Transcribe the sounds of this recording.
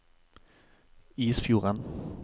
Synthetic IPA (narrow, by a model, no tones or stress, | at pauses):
iːsfjuːʁan